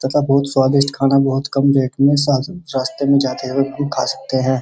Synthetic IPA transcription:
t̪ɐt̪abɔːt̪swaːd̪ɪʃʈkʰaːnabɔɦʊt̪kɐmbeːkmẽsaːt̪ɾaːst̪emẽd͡ʒaːt̪ewebɐmkʰa̰ːsɐ̥k̚t̪eɦɛ̃ː

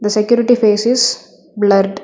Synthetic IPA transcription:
d̪əsekjuːɾɪʈifeːsɪz | blɐɾɖ

